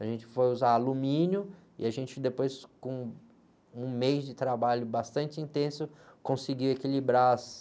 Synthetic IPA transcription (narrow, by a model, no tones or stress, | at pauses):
aʒẽnt͡ʃɪ̥fojuzaalumĩnjʊɪ̰aʒẽnt͡ʃɪd̪epojskõ | ũmejzd͡ʒɪt̪ɾabaʎʊbast̪ɐ̃nt͡ʃɪĩnt̪ẽsʊkõsiɡiwekilibɾas